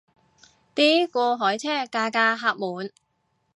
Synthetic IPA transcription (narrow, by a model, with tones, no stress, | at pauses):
t̪iː˥kʷɔː˧ɦɔː˨˥jt͡sʰɛː˥˩kaː˧kaː˧ɦaː˧p̚muː˨˧n